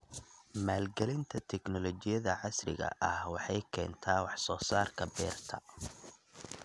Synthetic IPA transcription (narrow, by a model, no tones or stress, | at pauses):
maːlɡɛlɪnt̪ʰɐt̪ʰɛɡnɔlɔt͡ʃɪjɐðɐʕɑsrɪ̰ɣɐ̰ʔɐhwɑħɑjkʰɛːnt̪ʰaːwɑħsɔːsaːrkʰɐbɛːrt̪ʰɐ̰